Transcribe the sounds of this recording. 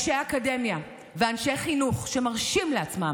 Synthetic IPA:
ʃejakademja | veanʃejχinuχʃe̞maʁʃimleat͡smam

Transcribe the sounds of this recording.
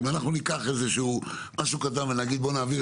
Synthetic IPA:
vanaχnunikaχe̞zeʃu | maʃukat̪̬amvenaɡid̪̚bo̞naːviʁ

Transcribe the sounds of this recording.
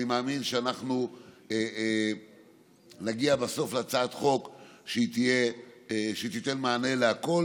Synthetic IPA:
imaːminʃeanaχnu | e | naɡiabaso̞flat͡saːt̪χo̞kʃeit̪ije | ʃet̪it̪e̞nmaːne̞leako̞l

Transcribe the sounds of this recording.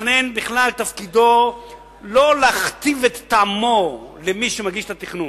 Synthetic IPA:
nenbiχlalt̪afkid̪o̞ | lolaχt̪ivet̪ːamolemiʃemaɡiʃt̪at̪iχnu

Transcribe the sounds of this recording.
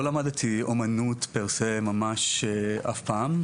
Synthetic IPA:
olamad̪t̪ʰiomanutpeʁsemamaʃea̰fpaːm

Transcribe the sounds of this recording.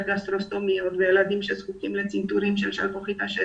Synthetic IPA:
ɡast̪ɾost̪omiot̪vɛːlad̪imʃɛsχukimlɛt͡sint̪uɾimʃɛlʃa̰lpoχit̪aʃɛ

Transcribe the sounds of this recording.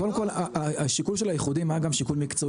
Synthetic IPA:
odemko̞laʔaaʃikulʃe̞lajeχudimaɡamʃikulmikt͡so̞

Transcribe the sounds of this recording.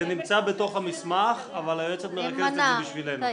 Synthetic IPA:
enimt͡sabe̞t̪o̞χhamismaχavalajet͡set̪meʁakezbiʃvile̞n

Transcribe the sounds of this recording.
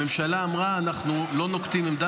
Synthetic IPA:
emʃalaːmʁaːnaχnulo̞nokt̪imimd̪a

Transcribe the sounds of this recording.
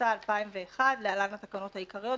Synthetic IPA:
aːlpaimveːχadlealalnat̪akano̞thaikaʁijo̞

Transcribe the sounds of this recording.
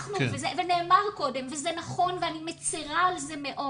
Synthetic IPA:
χnuvezevene̞ːmaʁko̞de̞mvezenaχo̞nveanimet͡siʁaːlzemeʔo

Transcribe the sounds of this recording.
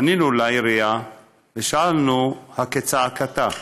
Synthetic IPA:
ninulajɾia | veʃaalnuhaket͡saakat̪a

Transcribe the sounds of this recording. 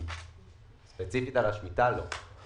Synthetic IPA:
spet͡sifit̪alaʃmit̪alo

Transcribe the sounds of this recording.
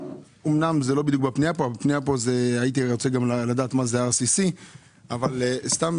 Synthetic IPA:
omnamzelo̞bid̪juk̚bapniapobpniapozeajit̪̬iʁot͡seɡamlalad̪aːt̪mazeaʁsisi | avalst̪am

